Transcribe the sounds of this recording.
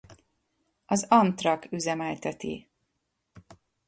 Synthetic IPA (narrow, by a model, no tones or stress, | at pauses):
ɒzɒnt̪rɒkyzɛmɛjt̪ɛt̪ḭ